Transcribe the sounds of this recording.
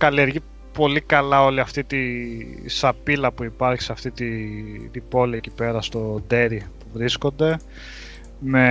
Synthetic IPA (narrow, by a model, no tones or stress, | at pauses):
kɐlie̞ɾʝi | po̞likɐlɐo̞liɐft̪it̪i | sɐpilɐpuipɐɾçi̥sɐft̪it̪it̪ibo̞liecipe̞ɾɐst̪o̞d̪e̞ɾipuvɾisko̞nd̪e̞ | me̞